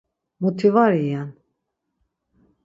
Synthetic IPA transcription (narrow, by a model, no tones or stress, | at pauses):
mut̪ʰivaɾijan